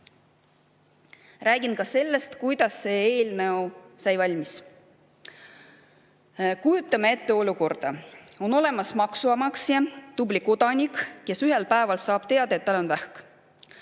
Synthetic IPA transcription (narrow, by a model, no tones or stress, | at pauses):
ræːɡinkɑse̞lːe̞st̪kujd̪̥ɑsːe̞ːe̞ːlneosɑjvɑlʲmis | kujut̪ːˑɑmee̞t̪ːe̞o̞luko̞rd̪̥ɑ | o̞no̞le̞mɑsmɑksuɑmɑksjɑd̪̥ubliko̞d̪̥ɑnʲikke̞syɦe̞lpæe̞vɑlsɑːb̥t̪e̞ɑd̪ɑe̞t̪ːælːo̞nvæhk